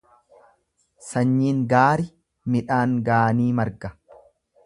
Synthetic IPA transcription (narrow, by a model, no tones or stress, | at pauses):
sɐɲːiːŋɡaːɾɪ | mɪᶑaːŋɡaːniːmɐɾɡɐ